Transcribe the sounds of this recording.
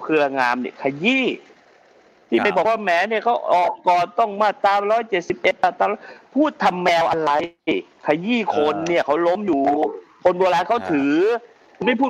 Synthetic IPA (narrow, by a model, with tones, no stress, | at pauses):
kʰɯ˧ɐ˧ŋaː˧mnḭ˥˩ɐkʰa˧jiː˥˩ | t̪ʰiː˥˩ma˧˩bɔː˨˩waː˥˩mɛː˨˦ni˥˩ɐkʰa˦˥wʔɔː˨˩kːɔː˨˩nt̪ɔ˥˩ŋmaː˥˩tt̪aː˧mɾɔː˦˥˩jt͡ɕe˨˩t̪̚si˨˩p̚ʔe˨˩t̪̚paː˧˩t̪aː˧˩lɔ˥˩pʰuː˥˩t̪ʰːa˧mːɛː˧wʔa˧ɾa˧j | kʰa˧jiː˥˩kʰo˧nːi˥˩ɐkʰa˦˥wlo˦˥mjuː˨˩kʰo˧nbu˧laː˧kʰa˦˥˩wt̪ʰɯː˩˦ | ma˥˩jpʰuː˥˩